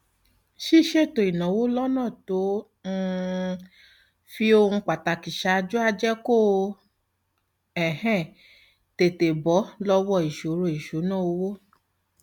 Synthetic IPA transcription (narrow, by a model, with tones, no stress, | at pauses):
ʃi˦ʃe˦˨to˨i˨nã˨˦wo˦lɔ˦nãː˦˨to˨˦ | ŋ̩˦ | fi˦o˧ŋ̩˧k͡pa˨ta˨ki˨ʃa˧d͡ʒu˦a˧d͡ʒɛ˦ko˦˨˧ | ɛ˨hɛ̃˦˨ | te˨te˨bɔ˨˦lɔ˦wɔ˦˨i˨ʃo˨˦ɾo˨i˨ʃo˨˦nã˦˨o˧wo˦